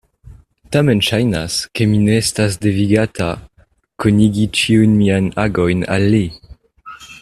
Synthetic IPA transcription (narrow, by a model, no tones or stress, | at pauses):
tamenʃajnaskemineestasdeviɡatʰa | koniɡit͡ʃiujnmiajnaɡojna̰lːi